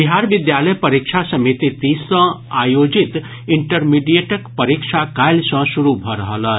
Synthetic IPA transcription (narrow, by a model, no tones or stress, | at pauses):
biɦaɾbid̪jaləjpəɾikt͡ʃʰasəmit̪it̪isə̃ajod͡ʒit̪ | iɳʈəɾmiɖijeʈəkpəɾikʃʰakajlsə̃suɾubʱəɾəɦələ